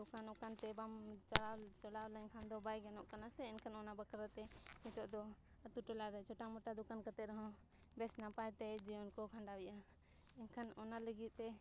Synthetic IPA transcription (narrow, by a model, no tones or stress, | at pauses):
d̪ukanɔkant̪ɛbamt͡ʃalat͡ʃɔlawlənkʰand̪ɔbajɡɛnɔʔkanasɛɛnkʰanɔnabəkəɾat̪ɛmit̪ɔʔd̪ɔ | t̪uʈɔlaɾɛt͡ʃʰɔʈamɔʈad̪ukankət̪ɛɾɦɔ̃ | bɛsnapajt̪ɛd͡ʒiɔnkɔkʰaɳɖawija | ɛnkʰanɔnaləɡit̪t̪ɛ